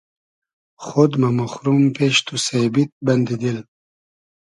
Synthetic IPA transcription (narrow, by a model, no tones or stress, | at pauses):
χod̪mamuxɾumpeʃt̪usebit̪̚band̪id̪il